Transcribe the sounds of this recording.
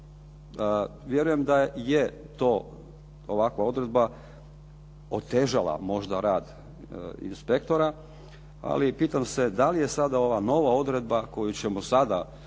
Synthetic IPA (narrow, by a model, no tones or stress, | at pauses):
ʋje̞ɾujemd̪ajet̪o̞ː | oʋakʋao̞d̪ɾe̞d̪̚ba | ot̪eʒala̰mo̞ʒd̪aɾaːd̪ | ḭnspekt̪o̞ɾa | a̰lipiːt̪amsed̪alije̞sad̪ao̞ʋano̞ʋao̞d̪ɾe̞d̪̚bako̞jut͡ɕemosad̪a